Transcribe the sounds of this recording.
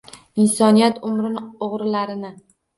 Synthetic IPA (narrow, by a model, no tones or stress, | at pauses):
ɪnsɒnijat̪ʰʊmɾɪnoʁɾɪlaɾɪnɪ